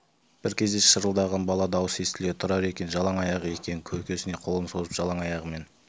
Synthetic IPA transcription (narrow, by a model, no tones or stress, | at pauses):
b̥ɪɾkʲʰe̞zd̪e̞ʃəɾəlˠd̪ɑʁɑnbɑlˠɑd̪ɑwəsest̪ʲɪlet̪ʰʊɾɑɾe̞kʲe̞nʒɑlˠɑɴɑjɑʁəe̞kʲe̞nɪkʲʰɵkʲʰe̞sɪne̞qʰo̞lˠənso̞zəpʒ̥ɑlˠɑɴɑjɑʁəme̞n